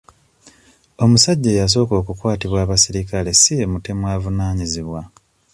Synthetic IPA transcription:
o̞musaɟːe̞jas̬o̞ːko̞ːkukwaːtiβwaːβasiɾikale̞siemute̞mwaːvunaːɲiziβwa

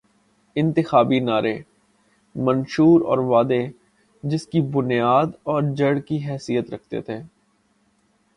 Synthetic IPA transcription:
ɪ̃nt̪ɪxaːbinaːɾʔe | mɐ̃nʃuːɾɔ̰ːɾʋaːd̪e | d͡ʒɪskibʊnjaːd̪ɔːɾd͡ʒɐɽkiɦɛːsijət̪ɾɐk̚ʰt̪ḛt̪ʰeː

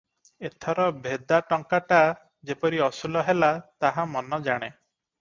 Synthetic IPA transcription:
et̪ʰɔɾɔbʱed̪aʈɔŋkaʈa | d͡ʒepɔɾiɔsulɔɦelat̪aɦamɔnɔd͡ʒaɽ̃e

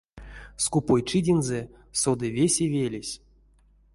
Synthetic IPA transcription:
skupojt͡ʂɨdʲenzɛ | sod̪ɨvʲesʲevʲelʲesʲ

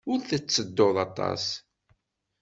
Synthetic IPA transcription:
ʊɾθət͡sːəd̪ːoðɑt̪ˤɑ̰s

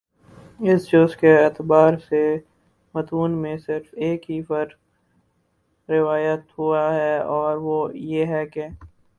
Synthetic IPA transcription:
ɪsd͡ʒʊzkeɛːt̪ɪbaːɾse | mət̪uːnmẽsɪɾfeːkɦipəɾ | ɪʋaːjət̪ɦuaɦɛɔːɾʋojeːɦɛke

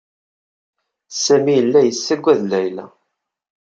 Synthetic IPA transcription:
sæmijəlːæjəsːæɡʷːæðlæjlæ̰

